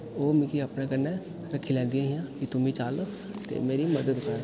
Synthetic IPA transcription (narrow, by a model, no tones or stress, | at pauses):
oːmĩːkiaːpnẽːkəɾnɛː | ɾəkʰːiːlɛ̃ːnd̪ijãːɦijãːkɪt̪ʊmĩːt͡ʃaːlək | t̪ḛːmeːɾiməd̪əd̪ʊsə̃ː